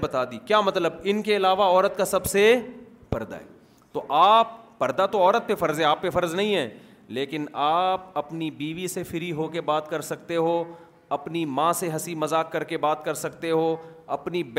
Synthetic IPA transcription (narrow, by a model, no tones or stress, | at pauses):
bɐt̪aːd̪iːkjaːmɐt̪ləbɪnkeɪlaːʋaɔːɾət̪kasɐbse | pɐɾd̪a̰ɦɛ̰ː | t̪oʔaːp̚ːɐɾd̪at̪oɔːɾət̪̚pefɐɾzɦɛ̃aːpːefɐɾznɐɦĩɦɛː | leːkɪnaːp̚ɐpnibiːʋisefʰɪɾiɦoːkebaːt̪kɐɾsɐk̚t̪eɦo | ɐpnimãseɦɐsimɐzaːkːɐɾkebaːt̪kɐɾsɐkt̪eɦoːɐpnib